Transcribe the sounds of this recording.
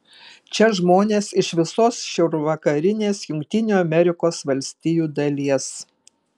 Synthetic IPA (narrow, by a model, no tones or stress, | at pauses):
t͡ʃʲɛʒmoːnʲeːsɪʃʋʲɪsoːsʃʲɛʊɾʋɐkɐɾʲɪnʲeːsjʊŋʲkt̪ʲɪnʲuːɐmʲɛɾʲɪkoːsʋɐlʲsʲt̪ʲɪjuːd̪ɐlʲiɛs